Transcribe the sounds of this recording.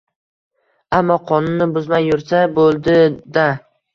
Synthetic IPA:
amːɒqʰɒnʊnːɪbʊzmajːʊɾsabolˠd̪ɪd̪a

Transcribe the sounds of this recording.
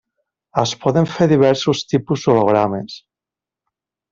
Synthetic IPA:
aspɔðeɱfeɾðiβɛɾsust̪ipuzðoloɣɾames

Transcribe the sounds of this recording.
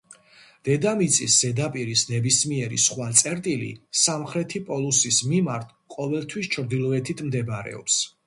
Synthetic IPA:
d̪̥ɛd̪amit̪sʼisz̥ɛd̪apʼiɾisnɛbismiɛɾḭsχwat̪sʼɛɾt̪ʼilḭsamχɾɛt̪ʰipʼɔlˠusismimaɾt̪ʰqʼɔvɛlˠt̪ʰwist͡ʃʰɾd̪ilˠɔɛt̪ʰit̪ʰmd̪ɛbɾɛ̰ɔ̰ps

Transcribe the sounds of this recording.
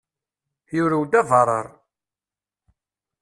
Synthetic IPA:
jʊɾuwd̪ævɑɾˤə̰ɾˤ

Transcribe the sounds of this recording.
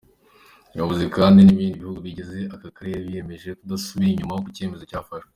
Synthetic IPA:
iβaβuzikaːndiniβiːndiβihuɡuβiɟe̞ze̞akakaɾejaβije̞me̞ʒe̞kudasuβiɾiɲumajokuce̞me̞zo̞caːfaʃwe

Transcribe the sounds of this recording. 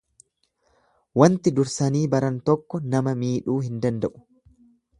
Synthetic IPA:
wɐnt̪ɪd̪ʊɾsɐniːbɐɾɐnt̪ɔkːɔnɐmɐmiːᶑuːhɪnd̪ɐnd̪ɐʔʊ̥

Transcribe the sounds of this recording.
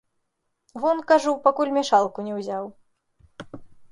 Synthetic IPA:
vɔnkaʐupakulʲmʲɛʂalˠkunʲɛwzʲaw

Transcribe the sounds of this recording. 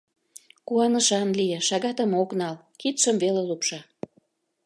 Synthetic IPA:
kuɑnə̆ʃɑnlijĕʃɑɣɑt̪ə̆moknɑl | kit̪ʃəmvelelupʃɑ

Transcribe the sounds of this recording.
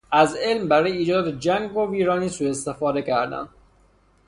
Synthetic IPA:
æzelmbæɾɔːjeiːd͡ʒɒːd̪æt̪ʰed͡ʒæŋɡoviːɾɒːniːsuːest̪efɒːd̪ekʰæɾd̪æ̰n

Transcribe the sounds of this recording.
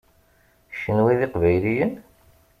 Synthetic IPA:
ʃənwiðɪqvæjlijən

